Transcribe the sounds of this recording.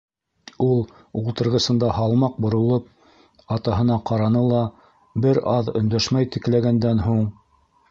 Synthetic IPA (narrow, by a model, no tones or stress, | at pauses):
ulˠ | ulˠt̪ɤ̆ɾʁɤ̆sɤ̆nd̪ɑhɑlˠmɑq̚bŏɾŏlˠɤp̚ | ɑt̪ɑɦɤ̆nɑqɑɾɑnɤlˠɑ | bɘɾɑðɵ̆nd̪æʃmæjt̪ɘ̆klæɡænd̪ænɦuɴ